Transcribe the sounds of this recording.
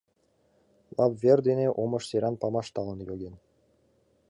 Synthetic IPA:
lˠɑpvʲerd̪eneʔomɤ̆ʃsʲeɾɑnpɑmɑʃt̪ɑlˠɤ̆njoɡʲenʲ

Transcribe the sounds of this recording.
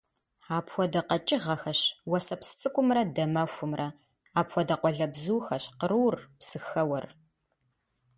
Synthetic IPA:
aːpxʷɔdɐqɐt͡ʃʼɪʁɐxɐɕwɐsɐpsɨ̥t͡sʼɨkʷʼʊmrɐdɐmɐxʷʊmrɐ | aːpxʷɔdɐqʷɔɮɐbzuːxɐɕqəɾɨːrpsɨxɐwɐr

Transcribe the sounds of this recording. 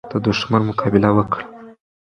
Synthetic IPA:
d̪̥əd̪uʃmanmʊkʰɑbɪlawəkɽa

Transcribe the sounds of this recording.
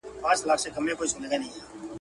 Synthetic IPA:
pãːt͡ʃlaːkʰsekəmẽkoːisoneɡanəɦĩːaː

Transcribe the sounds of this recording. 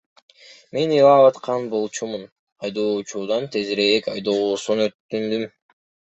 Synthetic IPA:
me̞nilˠɑβɑt̪qʰɑnbo̞lˠt͡ʃʰumun | ɑjd̪oːt͡ʃud̪ɑnt̪ʰe̞zɾejekɑjd̪oːsunøt̪ːynd̪ym

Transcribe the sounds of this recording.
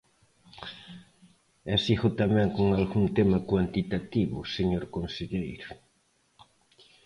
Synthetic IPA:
ɛsiɣʊt̪amɛ̃ŋkoŋalɣunt̪emɐkwant̪it̪at̪iβʊseɲoɾkonseʎejɾʊ

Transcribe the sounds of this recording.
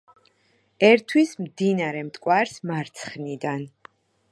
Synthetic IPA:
ɛɾt̪ʰwismd̪inaɾɛmt̪ʼkʼwaɾsmaɾt̪sʰχnid̪an

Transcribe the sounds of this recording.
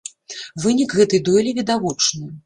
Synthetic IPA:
vɨnʲikɣɛt̪ɨjd̪ɔjlʲivʲid̪avɔt͡ʂnɨ

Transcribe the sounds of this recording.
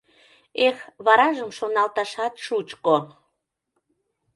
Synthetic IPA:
exβɑɾɑʒəmʃonɑlt̪ɑʃɑt̪ʃut͡ɕko

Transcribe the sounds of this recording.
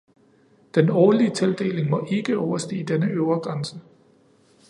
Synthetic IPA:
d̥enɒːliət͡sʰe̝ld̥e̝̰ːle̝ŋmɒ̽ʔe̝ɡ̥əɒʊɐsd̥e̝̰ːd̥enəʔøʊɐɡ̥ʁansə

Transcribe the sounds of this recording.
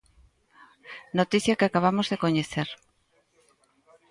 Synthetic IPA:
not̪iθjakeakaβ̞amozðekoɲeθeɾ

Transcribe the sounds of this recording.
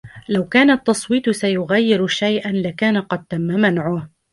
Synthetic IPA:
lawkaːnaʔt̪ːɑsˤwiːt̪sajʊɣajːɪɾʃajʔanlakaːnaqɑd̪̚t̪amːamanʕʊh

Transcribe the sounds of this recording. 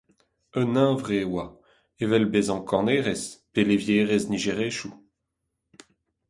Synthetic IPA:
œnɛ̃vʁeːwa | evɛlbezɑ̃kʰɔ̃neːʁespelevjeːʁezniʒeʁeːʃu

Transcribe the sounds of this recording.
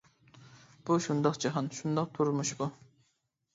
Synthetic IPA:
b̥uʃund̪ɑqd͡ʒɑɦɑnʃund̪ɑq̚t̪ʰuɾmuʃbu

